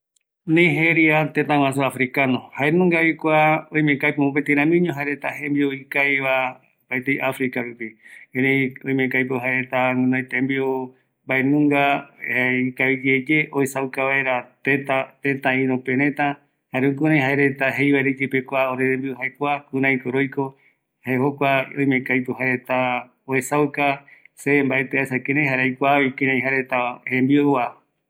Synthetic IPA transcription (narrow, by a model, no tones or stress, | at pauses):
nẽjɦeɾiat̪et̪ãw̃ãsuafɾikanõhaenũŋɡaikʷaõĩj̃mẽkajpoõpet̪ĩɾãmĩɲõɦaeɾet̪aɦembioikajβa | paet̪ejʔafɾikaɾupieɾejõĩj̃mẽkajpoɦaeɾe̞t̪aŋũnãj̃t̪ẽmbio | baenũŋɡa | ikaβid͡ʒed͡ʒeʔoisawkaβaeɾat̪et̪at̪et̪ãĩɾõpeɾẽt̪ã | haɾeũkũnãj̃ɦaeɾet̪aɦe̞jβaeɾed͡ʒepekʷaoɾeɾembiohaekʷakũɾãj̃koɾojko | haehokʷaõj̃mẽkajt̪uɦaɾe̞t̪a | oesawkasembaet̪eaesakẽɾẽjɦaɾajkʷaβikẽɾẽj̃ɦaɾet̪ahembiooa